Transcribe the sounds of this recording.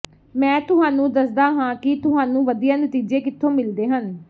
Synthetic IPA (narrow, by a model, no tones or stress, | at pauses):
mɛ̃ːt̪ʊɦaːnũːd̪əsd̪aːɦãːkɪt̪ʊɦaːnũːʋəd̪ijãːnət̪iːd͡ʒeːkɪt̪ʰːõːmɪld̪eːɦən